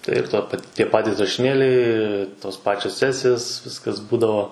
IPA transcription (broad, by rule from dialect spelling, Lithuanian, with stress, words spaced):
ˈtɐɪ ɪr ˈtoː pɐ ˈtʲiɛ ˈpɑːtʲiːs rɐʃʲɪˈnʲeːlʲɛɪ ˈtoːs ˈpɑːt͡ʃʲoːs ˈsʲæːsʲɪjoːs ˈʋʲɪskɐs ˈbuːdɐʋoː